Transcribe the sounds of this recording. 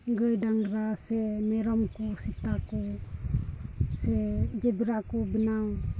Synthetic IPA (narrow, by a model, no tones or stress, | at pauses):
ɡɯjdaŋɾasɛmɛɾɔmkusit̪aku | sɛd͡ʒebiɾakubinaw